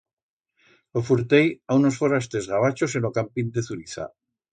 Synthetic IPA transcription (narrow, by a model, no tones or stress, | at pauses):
lofuɾt̪ejaunosfoɾast̪e̞zɣaβat͡ʃos̬enokampind̪eθuɾiθa̰